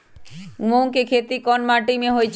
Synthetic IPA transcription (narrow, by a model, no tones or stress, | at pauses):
mõkekʰet̪ikɔnmaʈimẽɦojt͡ʃʰ